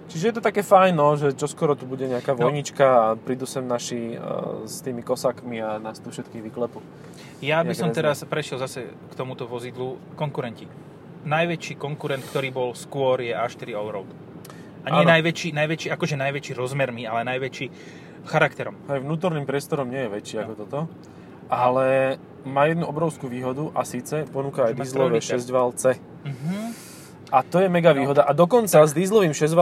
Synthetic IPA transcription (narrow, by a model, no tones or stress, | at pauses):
t͡ʃiʒɛjɛt̪ɔt̪akɛːfajnɔʒɛt͡ʃɔskɔɾɔt̪ubuɟɛɲɛakaːʋɔɔjɲit͡ʃkaːpɾid̪usɛmnaʃi | st̪iːmikɔsaːkmianaːst̪ufʃɛt̪kiːɣʋiklɛpu | jaisɔmt̪ɛɾaspɾɛʃɪɛlzasɛkt̪ɔmut̪ɔʋɔzid̪lu | kɔŋkuɾɛnci | najʋɛt͡ʃiːkɔŋkuɾɛnt̪̚kt̪ɔɾiːbɔlskʊɔɾjɛʔaʃt̪iɾiɔʊɾɔʊt̪ | ʔaɲɛnajʋɛt͡ʃiːnajʋɛt͡ʃiːakɔʒɛnajʋɛt͡ʃiːɾɔzmɛɾmialɛnajʋɛt͡ʃiː | xaɾakt̪ɛɾɔmɦɛjʋnuːt̪̬ɔɾniːmpɾɪɛst̪ɔɾɔmɲɪɛjɛʋɛt͡ʃiakɔt̪ɔt̪ɔ | ʔalɛ | maːjɛd̪nuʔɔbɾɔʊskuʋiːɦɔd̪uʔasiːt͡sɛpɔnuːkaajd̪iːzlɔʋɛʃɛzɟʋalt͡sɛ | m̩ɦ̩ | at̪ɔjɛmɛɡaʋiːɦɔd̪aʔad̪ɔkɔnt͡sazd̪iːzlɔʋiːmʃɛzʋ